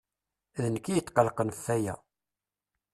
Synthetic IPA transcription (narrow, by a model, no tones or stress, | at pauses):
ðənəkːijət̪ːqəlqənθːæjæ̰